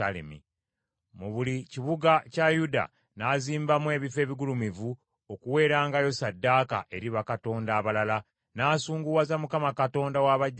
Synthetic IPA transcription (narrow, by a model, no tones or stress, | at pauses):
alḛmḭ | muβuliciβuɡacajuda̰ | naːziːmbamwe̞ːβife̞ːβiɡulumivu | o̞kuwe̞ːɾaːŋɡajo̞sadːaːka̰ʔe̞ɾiβakato̞ːndaːβalala | naːsuːŋɡuwazamukamakato̞ːndawaβaɟː